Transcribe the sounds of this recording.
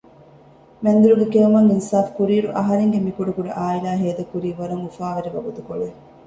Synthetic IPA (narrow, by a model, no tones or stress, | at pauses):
mɐnd̪uɾuɡekeumɐŋinsaːfkuɾiːɾuʔɐɦɐɾeŋɡemikuɖɐkuɖɐʔaːilaːɦeːd̪ɐkuɾiːʋɐɾɐŋufaːʋɐɾiʋɐɡut̪ukoɭe